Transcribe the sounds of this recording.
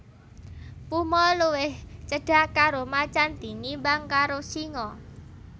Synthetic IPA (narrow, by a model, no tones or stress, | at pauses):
pumɔluwɪht͡ʃəɖ̥a̤ʔkaɾomat͡ʃant̪iŋibaŋkaɾosiŋɔ